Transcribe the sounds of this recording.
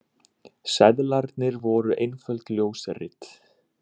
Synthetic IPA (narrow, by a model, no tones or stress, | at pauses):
sɛðlaɾt̪nɪɾvɔɾʏʔejnfœlt̪ljoːwsarɪ̰t̪